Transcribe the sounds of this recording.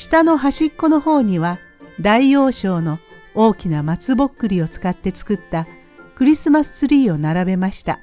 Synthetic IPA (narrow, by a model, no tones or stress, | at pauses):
ɕi̥t̪ano̞ɦaɕikːo̞no̞ho̞ːɲ̟iβa | d̪aio̞ːɕo̞ːno̞oːkʲinamat͡sɨbo̞kːɯ̟ɾʲio̞t͡sɨ̥kat̪ːe̞t͡sɨ̥kɯ̟t̪ːa | kɯ̟ɾʲisɨmasɨ̥t͡sɨɾʲiːo̞naɾabe̞maɕi̥t̪a̰